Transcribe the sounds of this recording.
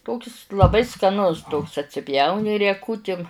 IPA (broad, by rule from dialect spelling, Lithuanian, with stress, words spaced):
ˈtoːkʲɪs lˠɐˈbɐɪ skɐˈnʊs ˈtoːks ɐtʲsʲɪˈpʲjɛʊnʲɪ rʲiɛˈkʊtʲɪm